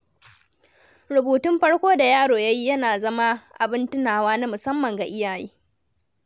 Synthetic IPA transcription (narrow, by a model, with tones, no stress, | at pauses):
ɾʊ˨buː˨tʊ˦mɸɐ˦ɽkʷoː˦da˨jaː˦ɽoː˨ja˦ji˦jɐ˦naː˨zɐ˦ma˦ʔa̰˨bɪ˦ntʊ˦naː˨waː˦na˦mʊ˨sɐ˦mːɐ˨ŋɡa˨ʔɪ˦jaː˨jḭː˦